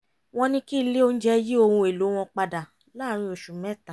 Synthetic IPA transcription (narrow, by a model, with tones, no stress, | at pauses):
w̃ɔ̃˧nĩ˦ki˦˧le˦o˧ñ̩˦d͡ʒɛ˦ji˦o˧hũ˧e˨lo˨˦w̃ɔ̃˧k͡pa˧da˨ | la˦˨ɾ̃ĩ˧o˨ʃu˨mɛ̃˦˨tã˨